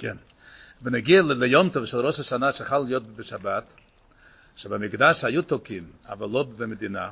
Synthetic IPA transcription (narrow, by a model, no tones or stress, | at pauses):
kʰɛn | vɪnaɡiallejɔmtɔvʃɛlˠɾɔʃaʃanaʃeχalːɪjɔt̚bɪʃabat | ʃebamɪɡdaʃajutokima̰valˠovɪmed̪ina̰